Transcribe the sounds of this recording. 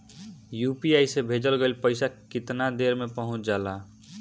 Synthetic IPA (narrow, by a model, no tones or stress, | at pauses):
jupiajsebʱed͡ʒəlɡelpəɪsakɪt̪nad̪eɾmepəɦʊ̃t͡ʃʰd͡ʒaːla